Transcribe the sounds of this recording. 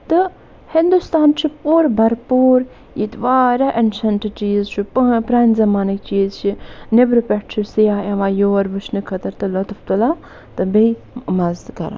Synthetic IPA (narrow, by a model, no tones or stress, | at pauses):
t̪ɨ | hind̪ust̪aːnt͡ʃʰipuːɾbɐɾpuːɾ | jit̪ʋaːɾaʔɐnsɐnʈit͡ʃiːzt͡ʃʰippɾanzɐmaːnik̚t͡ʃiːzt͡ʃʰinebɾopʲɛʈt͡ʃʰisijaːɐʋaːjoːɾbɨt͡ʃnɨkʰɐt̪ɐɾt̪ɨlot̪ɐft̪ula | t̪ɨbej | mɐzd̪kɐ̰ɾa̰